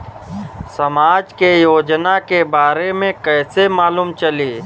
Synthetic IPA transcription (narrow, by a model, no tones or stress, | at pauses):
sɐmaːd͡ʒkejoːd͡ʒnakebaːɾemẽkɛːsemaːluːmt͡ʃəliː